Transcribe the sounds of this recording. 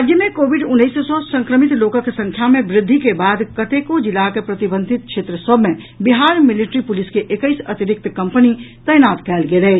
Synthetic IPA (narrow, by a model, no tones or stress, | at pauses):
ad͡ʒjəmẽkobiɖʊnːəjssɔsə̃ŋkɾəmit̪lokəkesə̃ŋkʰjamebɾɪd̪ʱːikebad̪kət̪ekod͡ʒilakepɾət̪ibə̃nd̪ʱit̪̚kt͡ʃʰet̪ɾəsəbʱme | biɦaɾmiliʈɾipuliskeʔekəɪsət̪iɾɪk̚t̪kəmpənit̪əjnat̪kɛlɡelɛ